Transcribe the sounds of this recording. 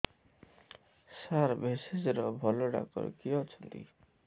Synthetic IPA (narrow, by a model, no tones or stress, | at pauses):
saɾbesed͡ʒɔɾɔbʱɔlɔɖa̰kɔ̰ɾkiɔt͡ʃʰɔnt̪ḭ